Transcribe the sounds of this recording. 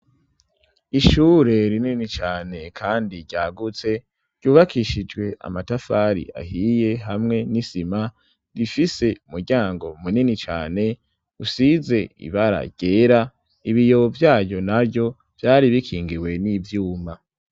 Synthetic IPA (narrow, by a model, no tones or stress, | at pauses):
iʃuːɾe̞ɾininit͡ʃaːne̞kʰaːndiɟaːɡut͡se̞ | ɾ̥ɟ̥uːβakʰiʃid͡ʒɡwe̞ʔa̰matafaɾḭʔa̰ɦije̞ɦamŋe̞nisima | ɾifise̞umuɾɟaːŋɡo̞muninit͡ʃa̰ːne̞ | usize̞ḭβaɾa̰ɟ̥eːɾa | iβijo̞vjaːjo̞nabjo̞ | v̥jaːɾiβikʰiːŋɡiwe̞nivjuːma